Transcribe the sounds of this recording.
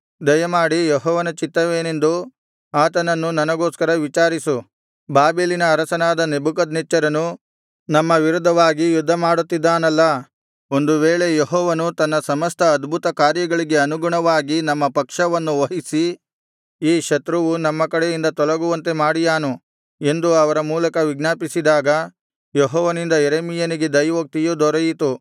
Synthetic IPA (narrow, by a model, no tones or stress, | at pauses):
d̪ɐjɐmaːɽijeɦɔːʋɐnɐt͡ʃit̪ːɐʋeːne̞nd̪u | aːt̪ɐnɐnːunɐnɐɡo̞ːskɐɾɐʋit͡ʃaːɾisu | baːbeːlinɐːɾɐsɐnaːd̪ɐnebuk̬ɐd̪nit͡ʃːɐɾɐnu | nɐmːɐʋiɾud̪ʱɐʋaːɡijud̪ʱːɐmaːɽut̪ːid̪ːaːnɐlːɐ | o̞nd̪uʋeːɭe̞jeɦɔːʋɐnut̪ɐnːɐsɐmɐst̪ʰɐːd̪bʱut̪ɐkaːɾjɐɡɐɭiɡe̞ɐnuɡuɳɐʋaːɡinɐmːɐpɐkʂɐʋɐnːuʋɐɦisi | iːʃɐt̪ɾuʋunɐmːɐkɐɽejind̪ɐt̪ɔlɐɡuʋɐnt̪e̞maːɽijaːnu | e̞nd̪uɐʋɐɾɐmuːlɐkɐʋiɡnaːpisid̪aːɡɐ | jeɦɔːʋɐnind̪ɐjeɾeːmijɐniɡe̞d̪ɐjʋok̚t̪ijud̪ɔɾɐjit̪u